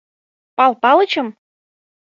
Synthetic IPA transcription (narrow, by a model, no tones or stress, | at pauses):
pɑlˠpɑlˠɤ̆t͡ɕɤ̆m